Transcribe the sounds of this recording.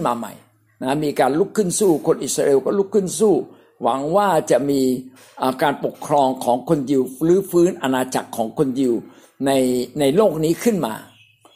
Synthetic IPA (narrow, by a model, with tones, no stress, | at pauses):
nmaː˧ma̰˨˩j | na˦˥miː˧kaː˧nlu˦˥˩kʰːɯ˥˩nsuː˥˩kʰo˧nʔi˨˩t̪̚ɾaː˧ʔeː˧wkɔː˥˩lu˦˥˩kʰːɯ˥˩nsuː˥˩ | wa̰˩˦ŋwaː˥˩t͡ɕa˨˩ʔmiː˧ | ʔəː˨˩kaː˧npo˨˩kʰːɾɔː˧ŋkʰɔː˩˦ŋkʰo˧ndi˧wɾɯː˦˥fɯː˦˥nʔa˧naː˧t͡ɕa˨˩kʰːɔː˩˦ŋkʰo˧ndi˧w | na˧jna˧jloː˥˩k̚niː˦˥kʰɯ˥˩nma̰ː˧